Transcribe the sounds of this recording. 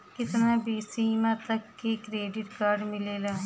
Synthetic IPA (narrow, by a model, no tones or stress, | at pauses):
kɪt̪nabiːsiːmãt̪ɐkːekɾeːɖɪʈkaːɾɖmɪlelaː